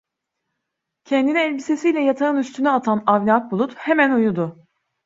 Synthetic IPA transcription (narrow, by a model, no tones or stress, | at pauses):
cʰɛnd̪iniɛlʲbise̞sijlʲɛjat̪ʰaɯnyst̪ʰynyat̪ʰanavnʲak̚bulˠut̪he̞mænujud̪ʊ